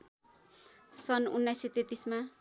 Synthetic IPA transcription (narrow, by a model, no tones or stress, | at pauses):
sʌnunːajset̪et̪isma